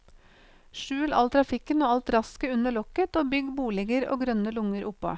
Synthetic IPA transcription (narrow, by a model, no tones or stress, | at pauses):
ʃʉːlɑ̰lt̪ʰɾɑfɪkənoːɑlt̪ɾɑskəʉnəɭɔkət̪oːbʏɡbuːlɪɡəɾo̰ːɡɾœnəlʊŋəɾʔʊpːɑ̰